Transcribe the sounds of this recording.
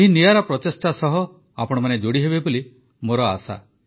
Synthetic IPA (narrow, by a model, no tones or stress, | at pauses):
eɦinijaɾɔpɾɔt̪esʈasɔɦɔ | apɔɽ̃ɔmaned͡ʒoɽiɦebeboli | moɾɔa̰sa̰